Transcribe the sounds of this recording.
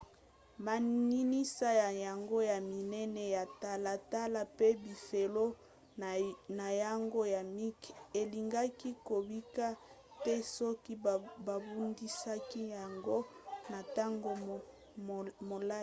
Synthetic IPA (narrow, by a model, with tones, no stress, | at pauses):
ma˨ni˦ni˦sa˦ja˨ja˨ŋɡo˦ja˨mi˨nɛ˦nɛ˦ja˨ta˦la˨ta˦la˨pe˦bi˨fe˨lo˦ | na˨ja˦ŋɡo˦ja˨mi˦ke˨li˨ŋɡa˦ki˦ko˨bi˦ka˦ | tɛ˦sɔ˦ki˦ba˨bu˦ndi˦sa˦ki˦ja˨ŋɡo˦na˨ta˦ŋɡo˦˨ | mo˨la˦˨